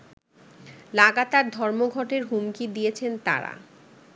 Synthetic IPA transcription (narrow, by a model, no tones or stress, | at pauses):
laɡat̪aɾd̪ʱɔɾmoɡʱɔʈeɾɦumkid̪ijet͡ɕʰent̪a̰ɾa̰